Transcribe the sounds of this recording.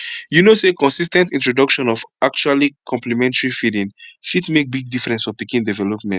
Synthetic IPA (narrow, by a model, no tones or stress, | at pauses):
junosekɔ̃nsis̬tɛ̃ntĩntɹodʌkʃɔ̃nɔvak̚t͡ʃualikʰɔ̃mplimɛ̃ntaɹifidĩnfitsmek̚biɡ̚difɹɛ̃nsfɔpikĩndɛvɛlɔpmɛ̃nt